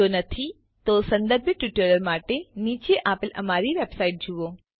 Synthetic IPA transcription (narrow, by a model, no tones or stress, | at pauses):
onət̪ʰi | t̪osə̃nd̪əɾbʱjəʈʋɪʈələɾmaʈenit͡ʃeʔapelə̰maɾiʋebsaiʈ̚d͡ʒuʋo